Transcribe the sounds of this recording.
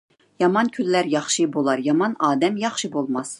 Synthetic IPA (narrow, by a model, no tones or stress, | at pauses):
jɑmɑnkʲʰylːæɾjɑχʃɨbolˠɑɾjɑmɑnɑːd̪ɛmjɑχʃɨbolˠmɑs